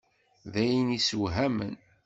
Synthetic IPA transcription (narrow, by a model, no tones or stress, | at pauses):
ðæjənisəwɦæmə̰n